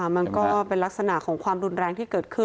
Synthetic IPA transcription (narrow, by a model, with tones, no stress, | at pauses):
ma˧nkɔː˥˩pe˧nla˦˥k̚sa˧na˨˩ʔkʰɔː˩˦ŋkʰwaː˧mɾu˧nɾɛː˧ŋt̪ʰiː˥˩kɤː˨˩t̪̚kʰɯ˥˩